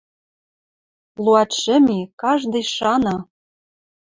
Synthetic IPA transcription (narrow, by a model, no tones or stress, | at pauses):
lˠuɑt̪ʃɘ̆mʲikɑʒd̪ɤ̆jʃɑnɑ